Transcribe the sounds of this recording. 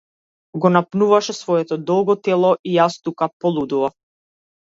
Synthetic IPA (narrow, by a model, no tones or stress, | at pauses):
ɡɔnapnuvaʃɛsvɔɛt̪ɔd̪ɔlˠɡɔt̪ɛlˠɔʔijast̪ukapɔlˠud̪uvaf